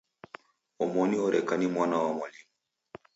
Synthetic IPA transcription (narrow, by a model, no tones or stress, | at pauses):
omɔnioɾɛkanimwanawɔmɔli